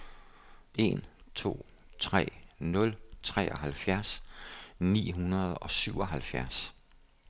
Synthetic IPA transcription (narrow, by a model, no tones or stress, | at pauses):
ʔe̝nt͡sʰo̝̰ː | t͡sʰʁɛ̰ːnɔ̽lt͡sʰʁɛ̰ːʔɒɦælfjæɐs | nḭːɦunɐð̞̩ˠɒ̽syʊɒ̽ɦælfjæɐs